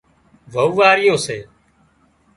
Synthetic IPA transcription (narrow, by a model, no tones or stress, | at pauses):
ʋəuːʋaːɾɪjoːseː